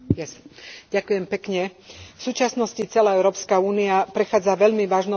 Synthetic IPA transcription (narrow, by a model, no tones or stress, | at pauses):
jɛsɟakʊjɛmpɛkɲɛfsuːt͡ʃasnɔscit͡sɛlaːɛʊɾɔːpskauːniapɾɛxaːd͡zaʋɛʎmiʋaːʒnɔ